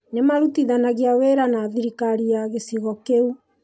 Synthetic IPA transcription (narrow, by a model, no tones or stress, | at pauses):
nɛmaɾutiðanaɣiaweɾanaðiɾikaɾiaɣesiɣɔkeu